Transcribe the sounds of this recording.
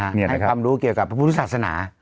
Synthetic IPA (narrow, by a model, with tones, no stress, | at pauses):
ni˧˩a˧n˦˩˦kʰaː˧mɾuː˦˥ki˨˩əwka˨˩p̚ʰːɾa˦pʰu˧tʰːsaː˨˩t̪̚sa˧na̰ː˩˦